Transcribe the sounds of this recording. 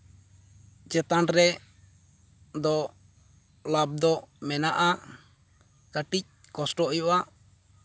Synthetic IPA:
d͡ʒɛt̪anɾɛ | d̪ɔ | lab̚d̪ɔmɛnaʔa | kaʈic̚kɔsʈɔɔjɔʔa

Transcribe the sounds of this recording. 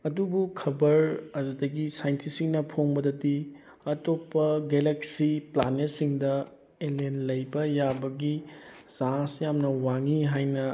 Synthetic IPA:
ɐdubukʰɐbɐɾɐdudɐɡisajntʰisiŋnɐpʰoŋbɐdɐdi | ɐtopːɐɡeleksipla̰nesiŋdɐ | elenlɐjbɐjabɐɡiz̥asjamnɐwaŋiɦajnɐ

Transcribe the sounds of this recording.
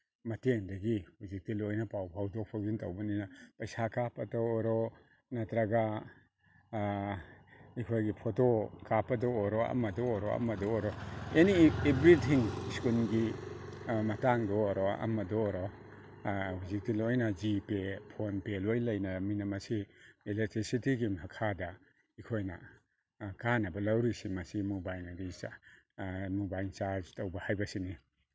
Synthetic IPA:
mɐteŋdɐɡihuzik̚dilojnɐpawpʰawdɔpʰakzinta̰wbɐninapɐjsakʰapɐtoːɾɔ | natɾaɡa | ikʰojɡipʰotokʰapɐdɔːɾɔa̰mɐdɔoɾɔɐ̰mɐdɔoɾɔeniebɾitʰiŋskunɡi | mɐtaŋdɔːɾɔɐ̰mɐdɔɾɔ | huzik̚dilojnɐd͡ʒipepʰonpelojlɐjnɐminɐmɐsiilek̚tɾisitiɡimɦakʰadɐ | ikʰojnɐ̰ | kanɐbɐlɐwɾisimɐsimubajnadis | mubajt͡ʃaɾd͡ʒtowbɐhajbɐsini

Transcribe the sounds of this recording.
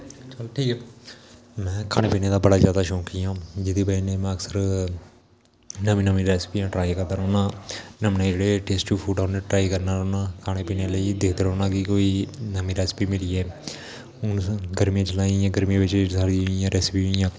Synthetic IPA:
t͡ʃəlʈʰiːkː | mɛ̃ːkʰaːneːpiːnẽːd̪aːbəɽaːzjaːd̪aːʃɔ̃ːkijãːd͡ʒɪd̪iːpəiːneːmɛ̃ːəksəɾ | nəmiːnəmĩːɾɛːspiːjãːʈɾaːikəɾd̪aːɾoːnãːnəmnẽːd͡ʒeːɽeːʈeːsʈuːpʰuːʈaːneːʈɾaːiːkəɾnaːɾoːnãːkʰaːneːpiːneːləiːd̪eːkʰd̪eːɾoːnãːkikoːiːnəmĩːɾɛːspiːmɪliːɛː | ʊnɡəɾmiãːt͡ʃəlaːiãːɡəɾmĩːʋɪt͡ʃsaːɾijãːɾɛːspijãː

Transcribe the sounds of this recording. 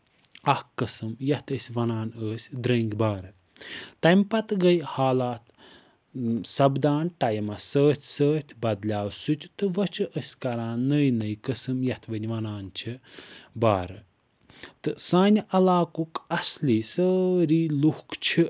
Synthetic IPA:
ɐhkɐsɨmjɐht̪əsʲʋɐnaːnəːsʲd̪ɾɐŋɡbaːɾɨ | t̪ɐmpɐt̪ɡɐjhaːlaːt̪ | sɐbd̪aːnʈɐjmɐsəːt̪ʰʲsəːt̪ʲʰbɐd̪lʲaːwsut̪ʲt̪ɨʋɐt͡ʃʰɨʔəsʲkɐɾãːnːəjnɐjkɐsɨmjɐht̪ʰʋənʲʋɐnaːnt͡ʃʰibaːɾɨ | t̪ɨsaːnʲʔɐlaːkukɐsliːsəːɾiːluhkt͡ʃʰi

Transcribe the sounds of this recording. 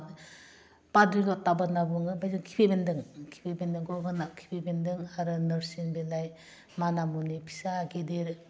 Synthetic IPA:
padɾilɔtːabanabuŋɯbajzɯŋkʰi̥pʰebendɯŋkʰi̥pebendɯŋkʰɔɡɯnakʰi̥pʰebendɯŋaɾɯnɯɾsinbelaj | manamunipʰi̥sakedeɾ

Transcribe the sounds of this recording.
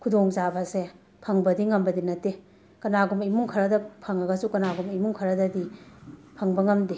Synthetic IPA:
kʰudoŋzabɐse | pʰɐŋbɐdiŋɐmbɐdinɐtːe | kɐnaɡumimuŋkʰɐɾɐdɐpʰɐŋɐɡɐsukɐnaɡumimuŋkʰɐɾɐdɐdipʰɐŋbɐŋɐmdi

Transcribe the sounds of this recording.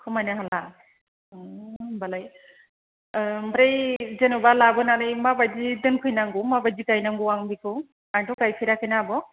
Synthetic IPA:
kʰɯmajnaɦala | balaj | bɾejzenubalabɯnanɯjmabajzidɯnkʰɯjnaŋɡɯmabazikajnaŋɡuwaŋbikɯ | atɔkajpʰiɾakʰɯjnaːbɔ

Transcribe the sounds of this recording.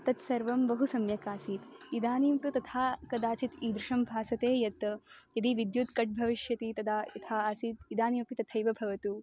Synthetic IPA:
t̪ɐt̪sɐɾʋɐmbɐɦusɐmjɐkaːsiːt̪id̪aːniːmt̪ut̪ɐt̪ʰaːkɐd̪aːt͡ʃit̪iːd̪ɾɪʂɐmbʱaːsɐt̪eːjɐt̪jɐd̪iʋid̪jut̪kɐʈ̚bʱɐʋiʃjɐt̪it̪ɐd̪aːit̪ʰaːaːsiːt̪id̪aːniːmpit̪ɐt̪ʰɐjʋɐbʱɐʋɐt̪u

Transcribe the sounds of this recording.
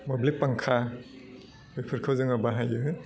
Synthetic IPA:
mɐblik̚paŋkʰa | bejpʰɯɾkʰɯwzɯŋabaɦajɯ

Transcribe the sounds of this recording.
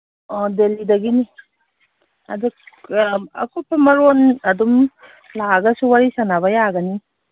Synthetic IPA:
ɔdelidɐɡini | a̰du | ɐ̰kʰupʰamɐɾonɐdum | laɡɐsuwaɾisanaβɐjaɡɐni

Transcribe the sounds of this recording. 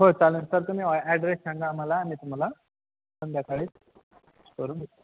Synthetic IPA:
ɦot͡salənsəɾt̪um̤iːɛɖɾessãŋɡaːm̤alaːmiːt̪um̤ala | sənd̪jakaɽeːt͡s | skəɾuːnʱet̪

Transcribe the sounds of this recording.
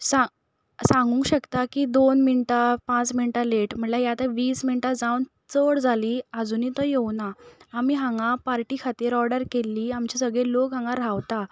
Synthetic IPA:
sa | sãŋɡũŋkɕəkt̪akid̪onminʈapãt͡sminʈaleʈm̤əɳlajat̪aʋiːsminʈad͡zawn | t͡səɽd͡zʱaliːəd͡zuːnit̪ɔjewnaamiːɦãŋɡãpaɾʈiːkʰat̪iɾɔɾɽəɾkelːiːamt͡ɕisəɡɭelokɦãŋɡaɾaʋt̪a

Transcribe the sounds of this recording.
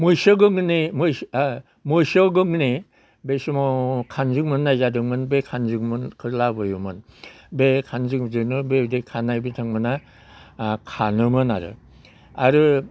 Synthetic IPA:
mujsɯɡɯŋnimɯ | mujsɔɡɯŋni | besimɔkʰanzɯŋmɯnːajzadɯŋmɯnbekʰanzɯŋmɯnkʰɯlabɯjumɯn | bekʰanzɯŋzɯnɯbedekʰanajbitʰaŋmɯna | kʰa̰nɯmɯna̰ɾɯ̰ | a̰ɾɯ

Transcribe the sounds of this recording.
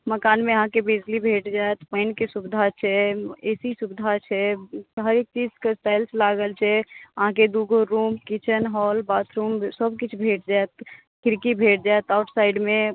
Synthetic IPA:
məkanmeəɦãkebid͡ʒlibʱeʈd͡ʒajt̪pəjnkesubid̪ʱat͡ʃʰɛesisubid̪ʱat͡ʃʰɛɦəɾek̚t̪iskesʈajlslaɡəlt͡ʃʰɛəɦãk̬ed̪uɡʱoɾumkit͡ʃənɦɔlbat̪ʰɾumsəbkit͡ʃʰbʱeʈ̚d͡ʒaet̪̚ | kiɾkibʱeʈ̚ʰd͡ʒaet̪aʊʈʰsajɖme

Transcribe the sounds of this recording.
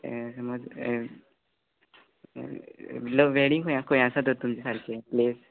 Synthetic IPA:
səmoːd͡z | ləʋeɽiŋɡkʰoj̃ãkʰõj̃asat̪ot̪ːumt͡ɕesaɾkʰeples

